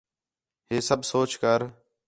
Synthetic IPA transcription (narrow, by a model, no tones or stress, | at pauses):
ɦeːsəbʱsoːt͡ʃkəɾ